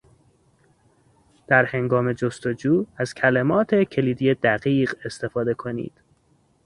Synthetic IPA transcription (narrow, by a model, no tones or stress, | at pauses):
d̪̥æɾhe̞ŋɡɒːme̞d͡ʒost̪o̞d͡ʒuːæz̥cʰælemɒːt̪ʰe̞cʰe̞liːd̪ijed̪æɣiːɢe̞st̪e̞fɒːd̪e̞kʰo̞nḭːd̪̥